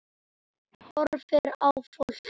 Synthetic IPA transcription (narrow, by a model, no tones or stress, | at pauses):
hɔɾfɛɾawfol